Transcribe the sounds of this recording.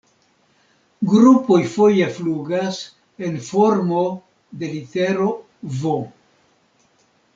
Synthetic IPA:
ɡɾupo̞jfo̞jefluɡas | e̞nfo̞ɾmo̞ | de̞lite̞ɾo̞ | vo

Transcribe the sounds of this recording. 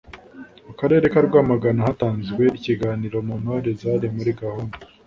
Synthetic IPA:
mukaɾe̞ːɾe̞kaɾɡwaːmaɡanahataːnzɡwe̞iciɡaːniɾo̞munhoɾezaɾemuɾiɡahunda

